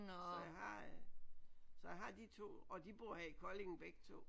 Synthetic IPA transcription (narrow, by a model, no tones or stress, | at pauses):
nsɒ̽jɑ̈ɪɦɑ̈ | sɒjɑ̈ɪɦɑ̈d̥it͡sʰo̝̰ːɒ̽d̥ib̥uɦɛikʰɒle̝ŋn̩b̥eɡ̥t͡sʰo̝̰ː